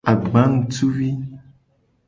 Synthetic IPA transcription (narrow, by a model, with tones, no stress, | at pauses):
a˨ɡ͡ba˦ŋ˦˨tu˦wi˦